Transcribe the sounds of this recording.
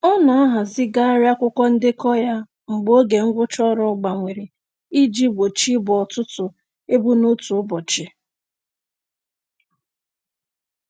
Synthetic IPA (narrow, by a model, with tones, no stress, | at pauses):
ɔ˦na˨a˦ɦa˨zɪ˦ɡa˦ɾja˦kʷʊ˦kʷɔ˦n̩˦dɪ˦kɔ˦ja˦ | ŋ͡m̩˨ɡ͡bo˦ɡe˨ŋ̩˦ɡʷʊ˦t͡ʃɔ˦ɾɔ˦ɡ͡ba˨ŋʷe˨ɾi˨ | i˦d͡ʒi˦ɡ͡bo˨t͡ʃi˦bɔ˨tʊ˦tʊ˨ | e˦bu˦no˦tu˨ʊ˦bɔ˨t͡ʃɪ˨